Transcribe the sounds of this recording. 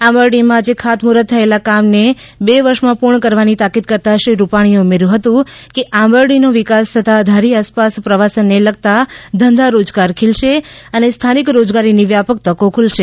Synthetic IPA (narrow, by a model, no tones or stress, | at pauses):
aməɾɖimãd͡ʒekʰat̪muɾət̪ʰːəelakamnebeʋəɾʃmãpuɾɳkəɾʋanit̪akid̪kəɾt̪aʃeɾupaɽ̃ioumeɾjũɦət̪ũkeʔaməɾɽinuʋɪkast̪ʰət̪ad̪ʱaɾiaspaspɾəʋasənːeləɡ̚t̪ad̪ʱənd̪ʱaɾod͡ʒɡaɾkʰelʃeənest̪ʰanikɾod͡ʒɡaɾiniʋjapək̚t̪əkokʰulʃe